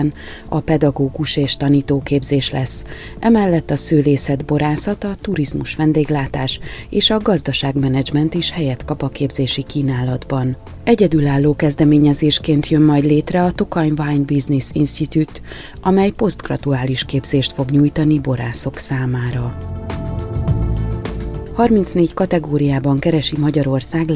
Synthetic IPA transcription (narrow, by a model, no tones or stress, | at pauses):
n | ɒpɛd̪ɒɡoːɡuʃeːʃt̪ɒniːt̪oːkeːbzeːʃlɛsː | ʔɛmɛlːɛt̪ːɒsøːleːsɛd̪bo̞ɾaːsɒt̪ɒt̪uɾizmuʃʋɛnd̪eːɡlaːt̪aːʃeːʃɒɡɒzd̪ɒʃaːɡmɛnɛd͡ʒmɛnt̪iʃhɛjɛt̪kɒpɒkeːbzeːʃikiːnaːlɒd̪bɒn | ɛɟɛd̪ylaːlːoːkɛzd̪ɛmeːɲɛzeːʃkeːnt̪jømːɒjd̪leːt̪rɛɒt̪o̞kɒjnvajnbiznisinst̪it̪ut̪ | ʔɒmɛjpo̞st̪ɡrɒ̰t̪uaːliʃkeːbz̥eːʃt̪fo̞ɡɲuːjt̪ɒnibo̞ɾa̰ːso̞ksaːmaːɾɒ | hɒrmint̪sneːckɒt̪ɛɡoːɾijaːbɒŋkɛɾɛʃimɒɟɒɾo̞rsaːɡ